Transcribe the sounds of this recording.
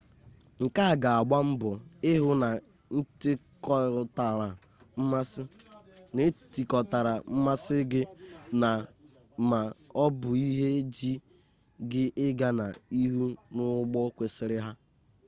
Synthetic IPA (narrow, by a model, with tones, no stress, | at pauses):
ŋ̩˨ka˦˨ɡa˨a˨ɡ͡ba˦m̩˦bʊ˨ɪ˦ɦʊ˦na˨ | n̩˦tɪ˦kɔ˦˨ɾʊ˦ta˨ɾa˨ | m̩˦ma˦sɪ˦ne˦ti˨kɔ˨ta˨ɾa˨m̩˦ma˦sɪ˦ɡɪ˦na˨ | ma˨ɔ˦bʊ˨i˦ɦe˦d͡ʒi˦ | ɡɪ˦ʔɪ˦ɡa˦na˨i˦ɦu˦nʊ˦ɡ͡bɔ˦kʷe˨sɪ˨ɾɪ˦ɦa˦